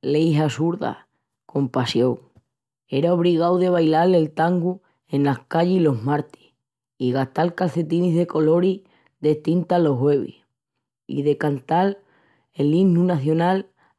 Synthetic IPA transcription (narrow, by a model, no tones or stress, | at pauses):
lejɦasuɾða̰ | ko̞mpasjo̞ŋ | e̞ɾao̞β̞ɾiɣ̞awðe̞β̞ajlale̞lt̪aŋɡu | e̞nlahkaʎeilo̞ɦmaɾt̪i̥h | iɣaht̪alkalθe̞t̪iniɦðe̞ko̞lo̞ɾi | ðe̞ht̪int̪alo̞ɦwe̞βḭ | ḭðe̞kant̪al | elinunaθjo̞nal